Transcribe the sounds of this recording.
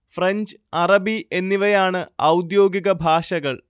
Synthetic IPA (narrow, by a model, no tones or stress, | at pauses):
freɲd͡ʑɐrɐbie̞nːiʋɐjaːɳɨɐwd̪jo̞ːɡiɣɐbʱaːʂɐɣɐɭ